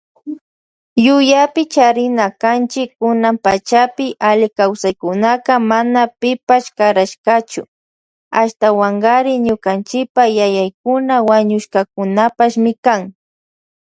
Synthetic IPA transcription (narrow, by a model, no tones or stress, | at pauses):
jʊjapɪt͡ʃaɾɪnakant͡ʃɪkːʊnampat͡ʃapɪʔalɪkawsajkʊnakamanapɪpaʃkaɾaʃkat͡ʃʊ | aʃt̪awaɴɢaɾɪɲʊkant͡ʃɪpajajajkʊnawaɲʊʃkak̚ʊnapaʃmɪkaŋ